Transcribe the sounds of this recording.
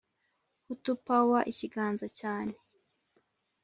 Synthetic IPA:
hutupawaʔiciɡaːnzacaːne

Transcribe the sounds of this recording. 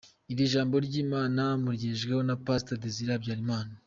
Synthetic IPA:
iɾiʒaːmbo̞ɾɟiːmaːnamuɾɟiːʒɡeho̞napastadeziɾabɟaːɾimaːna

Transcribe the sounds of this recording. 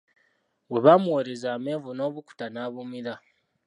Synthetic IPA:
we̞βamuwoɾezaːme̞ːvuno̞ːβuku̥tanaːβumiɾa

